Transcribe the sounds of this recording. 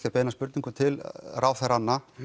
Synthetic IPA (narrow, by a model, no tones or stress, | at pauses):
capeːnaspʏɾt̪niŋkʏt̪ʰɪlrʔaːwθɛɾanːa